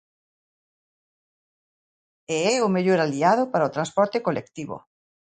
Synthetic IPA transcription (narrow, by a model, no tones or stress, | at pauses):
eɛʊmeʎoɾaliað̞opaɾaot̪ɾãnspɔɾt̪ekolḛkt̪iβo̰